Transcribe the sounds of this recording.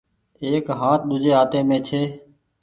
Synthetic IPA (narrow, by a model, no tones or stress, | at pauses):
eːkɦaːt̪̚ʰɗ̪ʊd͡ʒʱeːɦaːt̪eːmẽːt͡ʃʰeː